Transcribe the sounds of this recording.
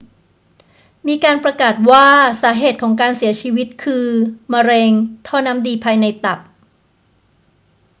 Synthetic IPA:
miː˧kaː˧npɾa˧kaː˨˩t̪̚waː˥˩saː˩˦ɦeː˨˩t̪̚kʰɔː˩˦ŋk̬aː˧nsi˨˩˦ɐt͡ɕʰiː˧wi˦˥t̪̚kʰɯː˧ma˧ɾeː˧ŋt̪ʰɔː˥˩na˦˥mdiː˧pʰaː˧jna˧jt̪a˨˩p̚

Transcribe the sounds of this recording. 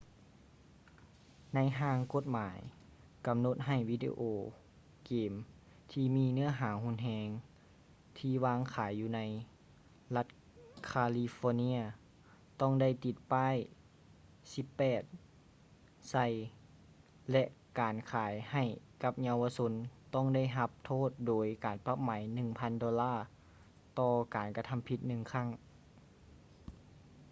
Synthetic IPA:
na˧˥jɦaː˧ŋko˧˦t̪̚maː˨˦j | ka˨˩mno˧˦t̪̚ɦa˧˩jwi˧˥˧dḭ˧ʔoː˧ | keː˨m | t̪ʰiː˧miː˧˥˨nɯ˥˨ɐɦaː˨˩˦hu˧˥nɦɛː˧ŋ | t̪ʰiː˧˩waː˧˥ŋkʰaː˩˦jːuː˧na˧˥j | la˧t̪̚ | kʰaː˧li˧fɔː˧ni˧˥ɐ | t̪ɔ˧˥˩ŋda˧˩jt̪i˧˩t̪̚paː˧˥˨j | si˧˦pːɛː˨˩t̪̚ | sa˧˩j | lɛ˧ʔkaː˨˩nkʰaː˨˩˦jha˧˩jka˧˥p̚ɲa˧wa˧so˧˥nt̪ɔ˥˩ŋda˥˩jɦa˧˦p̚t̪ʰoː˥˩t̪̚doː˨˩˦jkaː˨˩npa˧˥p̚maː˨˦jnɯ˧˩ŋpʰa˧˥ndɔː˧laː˥˩ | t̪ɔː˧kaː˨˩nka˧t̪ʰa˧˥˨mpʰi˧t̪̚nɯ˧˩ŋkʰa˥˩ŋ

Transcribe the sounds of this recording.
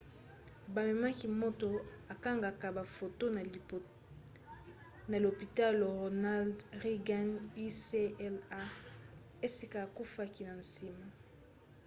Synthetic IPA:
ba˨me˨ma˦ki˨mo˦to˨a˨ka˦ŋɡa˨ka˨ba˨fo˨to˦˨ | na˨lo˨pi˨ta˦lo˨ʁo˨na˦ldʁi˦ɡa˦ni˦se˦ɛ˦la˦ | e˦si˨kaː˨ku˦fa˦ki˨na˨nsi˦ma˨

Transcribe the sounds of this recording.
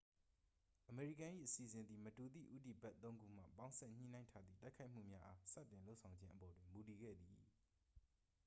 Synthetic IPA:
ʔəme˨ɹi˦˨kã˨ʔḭ˦˨ʔəsi˨zɪ̃˨nd̪ði˨mətu˨d̪ḭ˦˨ʔu˦ti˨bɛ˦t̪ːõ˦ʊ̃ŋɡṵ˦˨m̥a̰˦˨pã˦ʊ̃sɛ̰˦˨ɲ̥ḭ˦˨nã˦ɪ̃ntʰa˦d̪ðḭ˦˨ta˦ɪkʰa˦ɪm̥ṵ˦˨mja˦ʔa˦sä̰˦˨t̪ɪ̃˨nlo˦ʊʔsʰã˨ʊ̃ɲd͡ʑɪ̃˦ʔəbɔ˨dwɪ̃˨mu˨t̬i˨ɡɛ̰˦˨d̪i˨

